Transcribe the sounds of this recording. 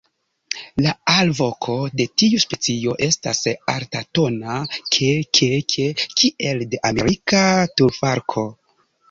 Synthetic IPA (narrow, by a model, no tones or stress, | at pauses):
laalvo̞kʰo̞de̞tiuspe̞t͡sio̞ʔe̞stasa̰ɾtato̞nakʰekʰekʰekʰiʔe̞lde̞ʔame̞ɾikatuɾfaɾkʰo̞